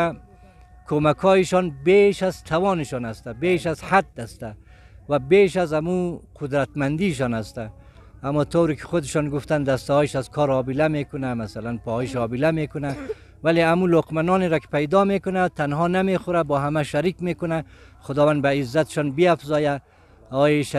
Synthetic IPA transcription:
kʰomakʰɔːɪʃɔnbeʃazt̪ʰawɔnɪʃɔnast̪abeʃazhad̪̚ːast̪a | wabeʃazamuqʰʊd̪ɾat̪mand̪iʃ̬ɔnast̪a | amɔt̪ʰowɾikʰɪ̥xʊd̪ɪʃɔnɡuft̪and̪ast̪ɔiʃazkʰɔɾɒbilamekʊnamasalanpɔiʃɒbilamekʊna | waleamuloqmanɔneɾɔkɪ̥pajd̪ɔmekʊnat̪anhɔnamexʊɾabɔːɦamaʃaɾiːkmekʊna | χʊd̪ɒːwand̪baizːat̪ɪ̥ʃɔnbiafzɔja | ɔjeʃ

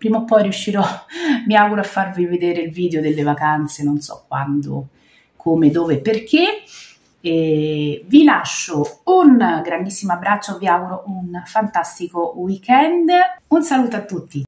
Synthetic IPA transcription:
pɾiːmopːɔjɾjuʃːiɾɔmiaːɡuɾoafːarvived̪eːɾeilviːd̪eod̪elːevakant̪senonsɔ̰kːwa̰nd̪o̰ | kʰomed̪oːveperkʰe | vilaʃːounɡɾand̪isːimoabːɾat͡ʃːoviaːɡuɾoʔunfant̪ast̪ikowikɛnd̪unsaluːt̪oat̪ːut̪ːi

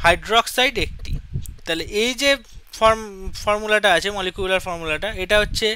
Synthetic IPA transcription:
hajɖɾɔksajɖek̚ʈḭt̪aleʔejd͡ʑefɔɾmfɔɾmulaʈ̬aat͡ɕʰemɔlikubulaɾfɔɾmulaʈaeʈaɦotːɕʰe

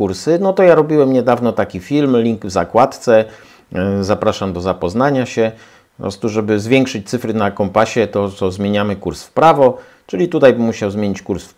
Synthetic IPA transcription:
kuɾsɘnɔt̪ɔjaɾɔbʲiwɛmɲɛd̪avnɔt̪akʲifʲilmlʲiŋɡvzakwat̪t̪sɛ | zapɾaʂamd̪ɔzapɔznaɲaɕɛ | ɔpɾɔ̰st̪uʐɛbɘzvʲjɛŋkʂɘt͡ɕt̪sɘfɾɘnakɔmpaɕɛt̪ɔt̪sɔzmʲjeɲamɘkuɾsfpɾavɔ | t͡ʂɘlʲit̪ut̪ajbɘmːuɕawzmʲeɲit͡ɕkuɾsf

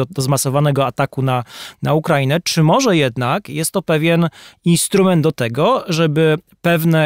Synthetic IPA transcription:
d̪ɔzmasɔvanɛɡɔat̪akunanaukɾainɛt͡ʂɘmɔʐɛjɛd̪nakjɛst̪ːɔpɛvʲjɛninst̪ɾumɛnd̪d̪ɔt̪ɛɡɔʐɛbɘ | pɛvnɛ

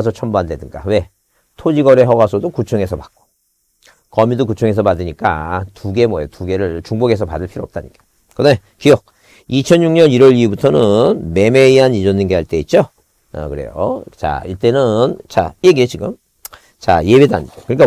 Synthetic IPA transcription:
s̬ʰʌt͡ɕʰʌmboande̞dɯnɡa̰we̞ | tʰod͡ʑiɡʌɾe̞ɦʌɡasʰʌdokut͡ɕʰoŋɦe̞sʰʌpak̚k͈o̥ | kʌmidokut͡ɕʰoŋɦe̞s̬ʰʌpadɯɲik͈atuɡe̞mʌjotuɡe̞ɾɯɭt͡ɕuŋboɡe̞sʰʌpadɯɭpʰiɾoʌp̚t͈aɲikeo | kɯne | kiʌk̚ | it͡ɕʰʌnjuŋɲʌniɾʌɭibutʰʌnɯnme̞me̞iɦanid͡ʑondɯnɡe̞ɦaɭt͈e̞it̚t͡ɕ͈o | ʌ̰kɯɾe̞̰jo̰t͡ɕa̰iɭt͈e̞nɯnt͡ɕa̰jeɡiet͡ɕiɡɯm | t͡ɕa̰je̞beda̰ɲid͡ʑokɯɲik͈a

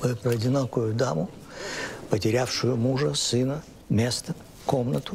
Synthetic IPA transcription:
mɨpɾɐdʲɪnokʊjʊd̪amʊ | pətʲɪɾʲafʂʊjʊmuʐəsɨnə | mʲest̪ə | komnət̪ʊ

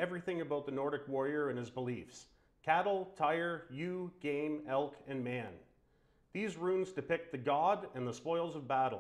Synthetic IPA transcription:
ɛvɹiθɪ̃ŋɨbaʊt̪̚ðɨnɔɹɾɨkwɔɹiə˞ɨ̃nɨzbəlifs | kʰæɾl̩ˠtʰaɪə˞jʉɡ̥ẽɪ̃mɛlˠkʰɨ̃nmæ̃n | ðizɹũnzdɨpɪk̚t̪̚ðɨɡɑɾɨ̃nðəspɔɪl̩ˠzʌvbæɾl̩ˠ

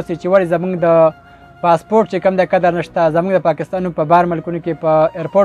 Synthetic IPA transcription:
sit͡ʃewalizamuɡd̪ə | pɑspoɾʈ̚t͡ʃekəmd̪ekad̪aɾnəʃt̪azamuɡd̪əpɑkɪst̪ɑnupəbɑɾmalkunokepəeɾpo

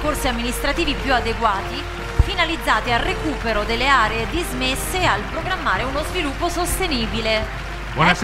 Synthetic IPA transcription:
korsiamːinist̪ɾat̪iːvipjuad̪eɡwaːt̪i | finalid̪zːaːt̪ealrekuːpeɾod̪elːeaːɾeed̪izmesːealpɾoɡɾamːaːɾeunozvilupːosost̪eniːbile | bɔna

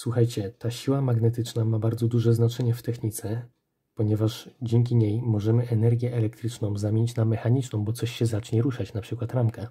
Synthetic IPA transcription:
swuxajt͡ɕɛt̪aɕiwamaɡnɛt̪ɘt͡ʂnamabaɾd̪zɔd̪uʐɛznat͡ʂɛɲɛft̪ɛxɲit̪sɛ | pɔɲɛvaʐd͡ʑɛŋkʲiɲejmɔʐɛmɘʔɛnɛɾɡʲjɛʔɛlɛk̚t̪ɾɘt͡ʂnɔ̃w̃zamʲeɲt͡ɕnamːɛxaɲit͡ʂnɔ̃w̃bɔt̪sɔɕɕɛzat͡ʂɲɛɾuʂat͡ɕnapʂɘkwat̪ɾamka

